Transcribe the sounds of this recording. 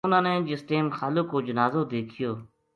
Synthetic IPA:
ʊnãːnẽːd͡ʒɪsʈeːmxaːloːkːoːd͡ʒənaːzoːd̪eːkʰɪjoː

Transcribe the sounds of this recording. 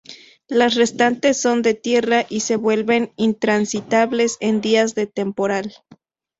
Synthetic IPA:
lasre̞st̪ant̪esːo̞nd̪e̞t̪je̞raʔise̞βwe̞lβe̞nint̪ɾansit̪aβle̞send̪iazðe̞t̪e̞mpo̞ɾal

